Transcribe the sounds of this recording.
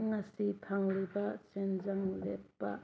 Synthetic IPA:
ŋɐsipʰaŋɾibɐsenzɐŋlepːɐ̰

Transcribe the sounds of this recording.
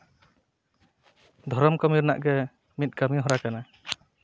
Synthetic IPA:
d̪ʱɔɾɔmkɔmiɾna̰ʔɡɛ | mit̪̚ɡamiɦɔɾakana

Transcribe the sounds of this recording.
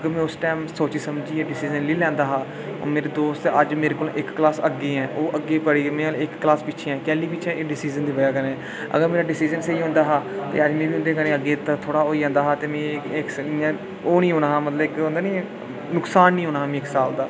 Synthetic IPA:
əɡəɾmɛ̃ːʊsʈaːmsoːt͡ʃiːsəmd͡ʒiːɛːɖɪsiːd͡ʒənliːlɛ̃ːnd̪aːɦaː | o̰ːmeːɾeːd̪oːst̪əd͡ʒmeːɾeːkoːlʔɪkːlaːsəɡːeːɦɛ̃ːʔoːʔəɡːeːpəɽiːmẽːalɪkːlaːspɪt͡ʃʰeːɛ̃ːkɛːliːpɪt͡ʃʰɛ̃ːʔeːɖɪsiːd͡ʒənd̪iːbəjaːkəneɛː | ə̰ɡəɾmeːɾaːɖɪsiːd͡ʒənseiːɦʊ̃ːnd̪aːɦaːt̪ḛːəd͡ʒmẽːbiːɦʊ̃nd̪eːkənẽːəɡːeːt̪at̪ʰoːɽaːoːiːãːnd̪aːɦaːt̪eːmɛ̃ːɪks | oːnĩːɦoːnaːɦaːmət̪ləbɪkɦõːnd̪aːnĩː | nʊksaːnːĩːɦõːnaːɦaːmĩːɪksaːld̪aː

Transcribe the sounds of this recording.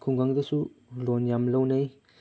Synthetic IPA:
kʰuŋɡaŋdɐsulonjamlɐwnej

